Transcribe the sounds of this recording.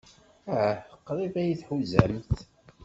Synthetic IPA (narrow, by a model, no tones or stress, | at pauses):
æħqːɾˤivæjiθħuzæ̰mθ